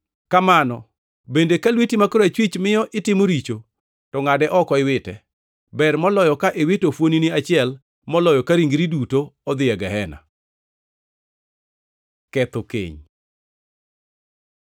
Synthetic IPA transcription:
kamanɔ | bendekalwitimakoɾat͡ʃwit͡ʃmɪjɔʔɪtɪmoɾit͡ʃo | tɔŋadɛʔɔkɔɪwɪtɛ | bɛrmɔlɔjɔkaʔewɪtofwoniniat͡ʃɪɛl | mɔlɔjɔkaɾiŋɡɾidutoɔd̪ɪɛɡɛɦɛna̰ | kɛt̪okḛɲ

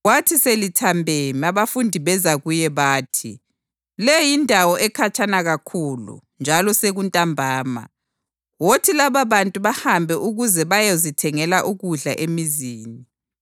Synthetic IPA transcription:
watʰiselitʰambʱemiaβafundʱiβɛzaɣujɛβaːtʰi | lɛjindʱawɔʔɛkʰat͡ʃʰʼanaɣakʰuːlṵnd͡ʒʱalɔseɣuntʼambʱaːma̰ | wotʰilaβaβantʼuβahambʱɛʔuɣuzɛβajozitʰɛŋɛlaʔuɣuɮaʔemiziːni

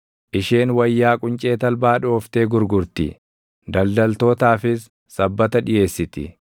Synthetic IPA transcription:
ʔɪʃeːnwɐjːaːkʼʊnt͡ʃʼeːt̪ɐlbaːᶑoːft̪e̞ːɡʊɾɡʊɾt̪ɪ̰ | d̪ɐld̪ɐlt̪o̞ːt̪aːfɪs | sɐbːɐt̪ɐᶑɪje̞ːsːɪt̪ɪ̰

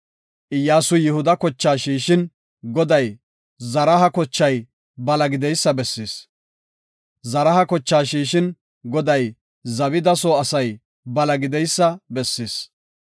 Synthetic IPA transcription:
ʔɪjːaːsʊjɪhʊd̪ɐkɔt͡ʃːaːʃiːʃɪn | ɡɔd̪ɐj | zɐɾɐɦɐkɔt͡ʃːɐj | bɐlɐɡɪd̪ɛjsːɐbɛsːɪs | zɐɾɐhɐkɔt͡ʃːaːʃiːʃɪn | ɡɔd̪ɐj | zɐβɪd̪ɐsoːɐsɐj | bɐlɐɡɪd̪ɛjsːɐbɛsːɪs

